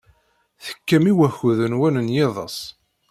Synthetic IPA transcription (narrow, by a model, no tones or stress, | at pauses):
θə̥kːəmiwæçuðənwænənjɪðˤə̰sˤ